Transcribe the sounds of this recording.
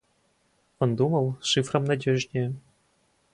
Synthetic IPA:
ɤ̆nd̪umɤlˠʂɨfrɤ̆mnadʲeʐnʲe

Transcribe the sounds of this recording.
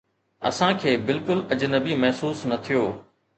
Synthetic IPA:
ɐ̰sãkʰeːbɪlkʊlɐd͡ʑnɐbimɐɦsuːsnɐt̪ʰijoː

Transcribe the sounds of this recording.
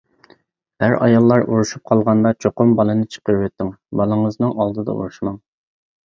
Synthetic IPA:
hæɾɑ̰jɑlˠːɑɾʔuɾuʃup̚qʰɑlˠʁɑnd̪ɑt͡ʃʰoqʊmbɑlˠɨnɨt͡ʃʰə̥qəɾwɛt̪ʰːɪŋbɑlˠɨŋɨznɨŋɑlˠd̪ɨd̪ɑ̰ʔṵɾuʃmɑŋ

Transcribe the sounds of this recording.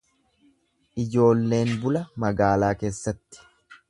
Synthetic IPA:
ʔɪd͡ʒo̞ːlːe̞ːnbʊlɐmɐɡaːlaːke̞ːsːɐt̪ːɪ̥

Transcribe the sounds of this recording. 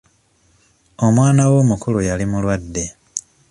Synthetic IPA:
o̞mwaːnawo̞ːmukulujalimulwadːe̞

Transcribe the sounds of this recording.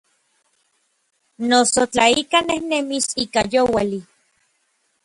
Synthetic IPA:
nosot͡ɬaikanehnemisikajowali

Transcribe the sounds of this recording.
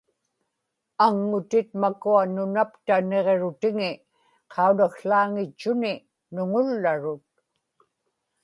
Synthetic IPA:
aŋːʊt̪ɪt̪̚makuanʊnapt̪aneʁeɻʊt̪ɪŋɪ | qʰɑunaxɬaːŋɪt͡ʃːʊnɪ | nʊŋʊlːaɻʊt̪̚

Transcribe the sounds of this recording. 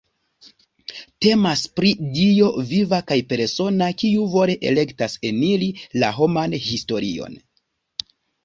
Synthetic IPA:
te̞maspɾidio̞vivakajpe̞ɾso̞nakiuvo̞ɾe̞ʔḛle̞ktase̞nilila̰ɦo̞manhisto̞ɾio̞̰n

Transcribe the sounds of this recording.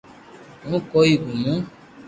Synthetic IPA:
ŋũkɔiɡumũ

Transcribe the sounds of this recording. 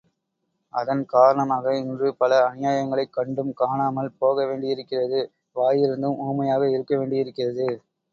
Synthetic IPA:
ʔɐðɐnkaːɾɐɳɐmaːɣɐɪndrɯpɐlɐːnɪjaːjɐŋɡɐɭɐɪkːɐɳɖɯmkaːɳaːmɐlpoːɣɐʋeːɳɖɪɪɾɯkːɪrɐðɯ | ʋaːjɪɾɯnd̪ɯmuːmɐjaːɣɐɪɾɯkːɐʋeːɳɖɪɪɾɯkːɪrɐðɯ

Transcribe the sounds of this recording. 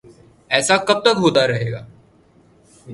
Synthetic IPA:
ɛːsakɐb̚t̪əkɦoːt̪aɾɐɦeːɡa̰ː

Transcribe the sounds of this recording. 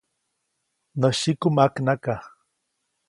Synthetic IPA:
nəʃikʊmaknaka

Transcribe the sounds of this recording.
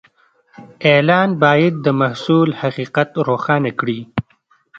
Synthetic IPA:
elɑːnbɑjad̪̚ːəmahsulhaqiqat̪ɾoxɑːnakɽi

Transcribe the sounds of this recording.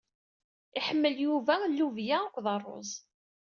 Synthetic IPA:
iħəmːəljuvælːuvjæəkʷːðˤɑrˤːo̰zˤ

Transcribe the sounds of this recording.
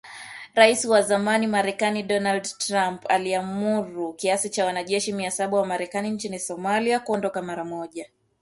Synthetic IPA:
ɾaisiwazamanimaɾɛkaniɗɔnaldtɾampa̰liamuɾukiasit͡ʃawanaʄɛʃimiasaɓawamaɾɛkanint͡ʃinisɔmaliakuɔndɔkamaɾamɔʄa

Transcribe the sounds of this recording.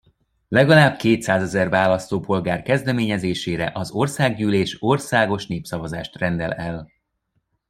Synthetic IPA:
lɛɡɒlaːbkeːt̪saːzɛzɛrvaːlɒst̪oːpo̞lɡaːrkɛzd̪ɛmeːɲɛzeːʃeːɾɛ̰ʔɒzo̞rsaːɡɟyːleːʃo̞rsaːɡo̞ʃneːpsɒvɒzaːʃt̪rɛnd̪ɛlɛl

